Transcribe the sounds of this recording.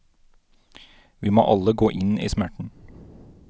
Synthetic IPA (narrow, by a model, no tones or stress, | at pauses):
ʋiːmo̰ːʔɑləɡoːʔɪnḭːsmæʈɳ̩